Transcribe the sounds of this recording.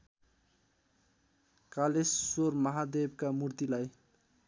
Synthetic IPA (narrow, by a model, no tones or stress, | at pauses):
kalesːormʌɦad̪eb̚kamurt̪ilaj